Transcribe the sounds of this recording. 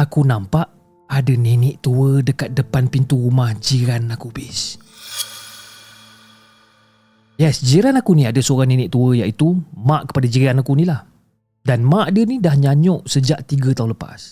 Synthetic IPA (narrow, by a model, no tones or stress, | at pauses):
akunampaʔ | adəninɪʔt̪uədəkat̪̚dəpanpint̪uɾumahd͡ʒiɾanakubɪs | jɛsd͡ʒiɾanakunĩadəsəoɾaŋninɪʔt̪uəjaʔit̪umaʔkə̥padad͡ʒiɾanakunĩlah | danmaʔadənidahɲaɲɔʔsəd͡ʒaʔt̪iɡət̪aɦũnləpa̰s